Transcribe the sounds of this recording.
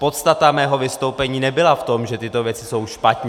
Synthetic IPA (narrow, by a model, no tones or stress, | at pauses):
po̞t̪st̪at̪amɛːɦo̞vɪst̪owpɛɲiːnɛbɪlaft̪o̞mʒɛt̪ɪt̪o̞vjɛt͡sɪso̞wʃpat̪ɲɛ